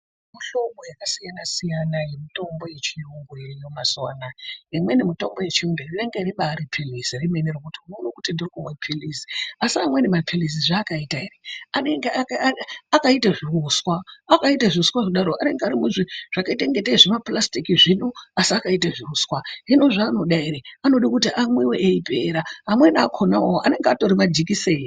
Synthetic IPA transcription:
muɬo̞mojakasijanasijanaje̞mito̞mbo̞je̞t͡ʃijuŋɡujejo̞maswaːnaimwe̞nemito̞mbo̞je̞t͡ʃiumderiʋeŋɡeriɓaːɾipʰilisirimenirokutiunoːnokutindirikumwepʰilisiasiamwe̞nemapʰilis̬iʐaːkaitaireaneŋɡeaakaitaʐiruswaːkaitaʐiruswaʐiɗaɾoʔane̞ŋɡeaɾimuʐiʐ̥akaiteŋɡeteiʐemaplastikiʐinoasiakaitaʐiruswaɦinoʐaːno̞ɗaiɾeano̞ɗikutiʔamweweʔeipeɾaɦamwe̞nakʰonawoʔa̰ne̞ŋɡeato̞ɾimad͡ʒikiseːi

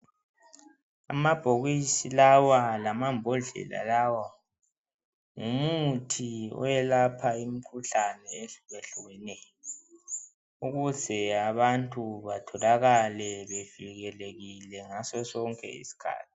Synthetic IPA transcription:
a̰mab̥ʱoɣisilawalamambʱɔɮɛ̰la̰lawa | ŋumutʰiɔ̰jɛlapʰaim̩kʰuɬanɛeɣeɬuɣɛnɛjɔ | uɣuzɛaβantʼuβatʰɔlaɣalɛβev̥iɣɛleɣilɛŋasɔsɔŋkʼɛ̰ḭsi̥kʰa̰ːt̚ʰi̥

